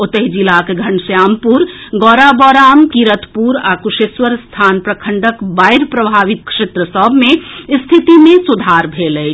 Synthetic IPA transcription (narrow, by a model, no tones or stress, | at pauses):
ot̪əɦid͡ʒilakeɡʱənsjampuɾɡɔɾabɔɾamkiɾət̪puɾakuʃesʋəɾst̪ʰanpɾəkʰəɳɖəkbajɾpɾəbʱaʋit̪̚kʃet̪ɾəsəbʱmest̪ʰit̪imẽsud̪ʱaɾbʱeləjt͡ʃʰ